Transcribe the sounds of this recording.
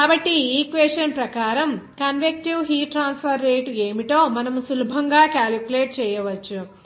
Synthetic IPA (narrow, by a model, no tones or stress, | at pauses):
aːbɐʈːiiːkʋeːsʈɐnpɾɐkaːɾɐmkɐnʋek̚ʈiʋɦiːʈɾaːnspʰɐɾːeːʈe̞ːmiʈoːmɐnɐmsulubʱɐŋɡaːkaːlikuleːʈ̚t͡ʃɛːjɐʋɐt͡ʃːu